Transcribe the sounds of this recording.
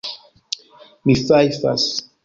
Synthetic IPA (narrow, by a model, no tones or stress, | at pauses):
miθajfa̰s